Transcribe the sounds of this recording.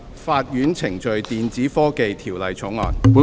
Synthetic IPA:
faː˧t̚jyː˨˥nt͡sʰɪ˨˩ŋt͡ʃɵ˨˧ɥt̪iː˨nt͡siː˨˥fɔː˥ke˨jt̪ʰiː˨˩wlɐ˨jt͡ʃʰʊ˨˥ŋɔ̰ː˨npuː˨˥

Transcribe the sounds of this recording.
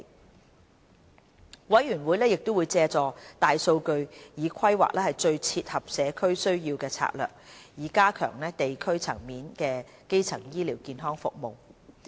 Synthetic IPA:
wɐ˨˥jɥyː˨˩nwu˨˥jlɛː˥jɪ˨k̚t̪o˥wu˨˧jt͡sɛː˧t͡sɔː˨˧t̪aː˨jso˧wkɵ˧ɥjiː˨˧kʷʰɐ˥jwa̰ː˨k̚lɛː˥hɐ˨˩jt͡ʃɵ˧ɥt͡sʰiː˧t̚hɐ˨p̚sɛː˨˧kʰɵ˥ɥsɵ˥ɥjiː˧wkɛː˧t͡sʰa̰ː˧k̚lœ̰ː˨k̚jiː˨˥kaː˥kʰœ̰ː˨˩ŋlɛː˥t̪e˨jkʰɵ˥ɥt͡sʰɐ˨˩ŋmiː˨˥nkɛː˧ | ke˥jt͡sʰɐ˨˩ŋjiː˥liː˨˩wkiː˨˧nɦɔː˥ŋfʊ̰˨k̚mo˨w

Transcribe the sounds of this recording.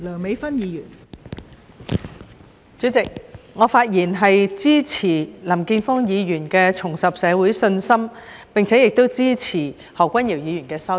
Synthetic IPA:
lœː˨˩ŋme˨˧jfɐ˥njiː˨˧jyː˨˩n | t͡sy˨˥t͡sɪ˨k̚ŋɔː˨˧faː˧t̚jiː˨˩nɦɐ˨jt͡siː˥t͡sʰiː˨˩lɐ˨˩mkiː˧nfɔː˥ŋjiː˨˧jyː˨˩nkɛː˧t͡sʰʊ˨˩ŋsɐ˨p̚sɛː˨˧wuː˨˥jsɵ˧nsɐ˥mpɪ˨ŋt͡sʰɛː˨˥jɪ˨k̚t̪o˥wt͡siː˥t͡sʰiː˨˩ | hɔː˨˩kːʷɐ˥njiː˨˩wjiː˨˧jyː˨˩nkɛː˧sɐ˥

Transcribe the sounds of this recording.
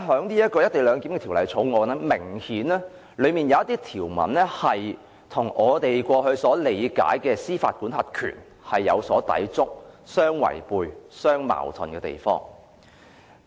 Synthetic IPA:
ɦœː˨˥ŋliː˥jɐ˥t̚kɔː˧jɐ˥t̚t̪e˨˩jlœː˨˧ŋkiː˨˥mkɛ˧t̪ʰiː˨˩wlɐ˨˩jt͡sʰo˨˥wŋɔː˨˧nɛ˥mɪ˨˩ŋhiː˨˥nɛː˥ | lɵ˨˧ɥmiː˨˩njɐ˨˧wjɐ˥t̪iː˥t̪ʰiː˨˩wmɐ̰˨˩nlɛː˥hɐ˨j | t̪ʰʊ˨˩ŋʔɔː˨˧t̪e˨jkʷɔː˧hɵ˧ɥsɔː˨˥le˨˧jka̰ː˨˥jkɛː˧siː˥fa̰ː˧t̚kuː˨˥nhɐ˨˩t̚kʰy̰ː˨˩n | hɐ˨jːɐ˨˧wsɔː˨˥t̪ɐ̰˨˥jt͡sʊ˥k̚sœː˥ŋwɐ̰˨˩jpuː˧jsœː˥ŋma̰ː˨˩wt̪ʰʊ˨˧nkɛː˧t̪ḛ˨jfɔ̰ː˥ŋ

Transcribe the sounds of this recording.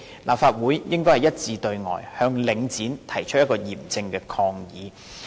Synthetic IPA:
lʔaː˨p̚faː˧t̚wuː˨˥jjɪ˥ŋkɔ˥jhɐ˨˩jɐ˥t̚t͡siː˧t̪ɵ˧ɥŋɔ̰ː˨˩jhœː˧ŋlɪ˨˧ŋt͡siː˨˥nt̪ʰɐ˨˩jt͡ʃʰɵ˥t̚jɐ˥t̚kɔː˧jiː˨˩mt͡sɪ˧ŋkɛː˧kʰɔː˧ŋjiː˨˧

